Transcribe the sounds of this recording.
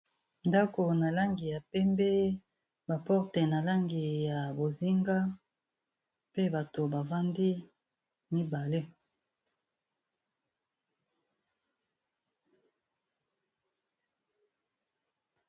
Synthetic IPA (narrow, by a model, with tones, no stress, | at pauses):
nda˦ko˨na˨la˦ŋɡi˨ja˨pɛ˦mbɛ˦ | ba˨pɔ˦ʁtɛ˨na˨la˦ŋɡi˨ja˨bo˨zi˦ŋɡa˦ | pe˦ba˨to˨ba˨va˦ndi˦ | mi˦ba˨le˦